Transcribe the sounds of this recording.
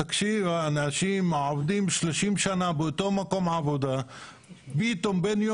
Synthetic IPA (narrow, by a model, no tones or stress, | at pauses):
ɐkʃiʋanaʃimaːʋd̪iːmʃlɐʃimʃanaːbut̪omɐkomaːbud̪ɐ | biːt̪ombenjo